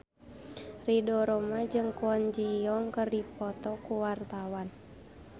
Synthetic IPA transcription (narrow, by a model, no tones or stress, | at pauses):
ridɔɾɔmad͡ʒɨŋkuand͡ʒijɔŋkɨrdipɔt̪ɔkuwart̪awan